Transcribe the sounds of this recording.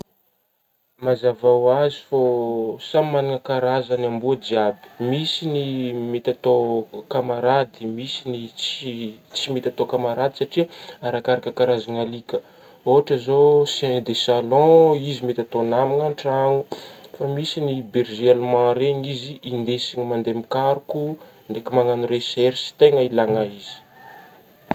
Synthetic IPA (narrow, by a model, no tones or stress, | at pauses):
mazavawazi̥fosammaniŋəkaɾazanambuad͡ʒiabi̥misinimet̪at̪okamaɾad̪imisinit͡st͡simet̪at̪okamaɾad̪isaʈ͡ʂiaɾakaɾakəkaɾazanalikə | oɦaʈ͡ʂəzosɛ̃d̪esalɔ̃izimet̪ʲat̪onamiŋaɳʈ͡ʂaŋufamisinibeɾʒielmãɾeɲiziːnd̪esiɲmand̪emikaɾuku | ɳɖ͡ʐekimaŋanuɾesɛɾsi̥t̪eŋəilaŋaizi̥